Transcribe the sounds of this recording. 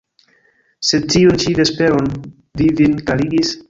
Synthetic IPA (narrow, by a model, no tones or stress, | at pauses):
se̞d̚t͡ʃiunt͡ʃidespe̞ɾon | vivinkaɾiɡis